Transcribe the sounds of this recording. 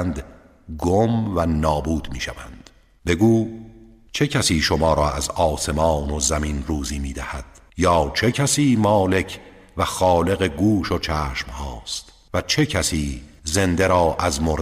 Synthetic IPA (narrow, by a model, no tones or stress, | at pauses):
nd̪ | ɡomvænɒːbuːd̪miːʃævænd̪̥ | be̞ɡuː | t͡ʃʰe̞cʰæsiːʃomɒːɾɒːæzɒːse̞mɑːnozæminruːziːmiːd̪æhæd̪̥ | jɒːt͡ʃʰe̞cʰæsiːmɒːle̞cʰ | væxɒːle̞ɣe̞ɡuːʃot͡ʃʰæːʃmhɒːst̪ | væt͡ʃʰe̞cʰæsiːze̞nd̪e̞ɾɒːʔæzmoɾ